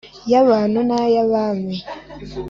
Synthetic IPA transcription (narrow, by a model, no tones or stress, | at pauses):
jaβaːnunajaβaːme